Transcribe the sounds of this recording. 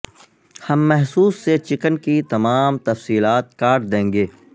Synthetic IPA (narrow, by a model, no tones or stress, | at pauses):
hɐmːɛɦsuːsːet͡ʃɪkənkit̪ɐmaːmt̪ɐfsiːlaːt̪̚kaːʈ̚d̪ẽːŋɡeː